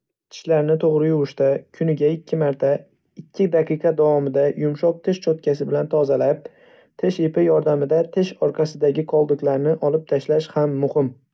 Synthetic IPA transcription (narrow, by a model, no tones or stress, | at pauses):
t̪ʰɪ̥ʃlaɾnɪt̪ʰoʁɾɪjʊɾʊʃt̪akʲʰʊnɪɡʲaɪkʲʰːɪmaɾt̪ʰa | ɪkʲʰːɪd̪aqʰɨqʰɑd̪avɒmɪd̪ajʔʊmʃɒq̚t̪ʰɪʃt͡ʃʰɒt̪̚kʲasɪbɪlant̪ʰɒzalap̚ | t̪ʰɪʃepɪjɒɾd̪amɪd̪at̪ʰɪʃɒɾqʰɑsɪd̪aɡʲɪqʰɒlˠd̪ɪkʲlaɾnɪʔɒlɪp̚t̪ʰaʃlaʃhamːʊhɪm